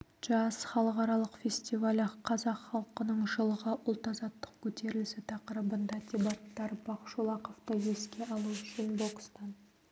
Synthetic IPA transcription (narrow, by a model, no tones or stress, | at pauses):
ʒ̥ɑsχɑlˠəqɑɾɑlˠəqfʲe̞sʲt̪ʲivalʲqʰɑzɑqχɑlˠqənəɴʒəlˠəʁəʔʊlˠt̪ɑzɑt̪ːə̥q̚kʲʰɵt̪ʰe̞ɾɪlɪsɪt̪ʰɑqəɾəbənd̪ɑt̪ʲebɑt̪ːɑɾbɑqʃolˠɑqoft̪əje̞skʲe̞ʔɑlˠuʏʃɪnbo̞kst̪ɑn